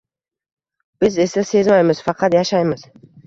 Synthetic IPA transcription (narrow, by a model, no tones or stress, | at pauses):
b̥ɪze̞sase̞zmajmɪz̥fɑqʰɑt̪jaʃajmɪz̥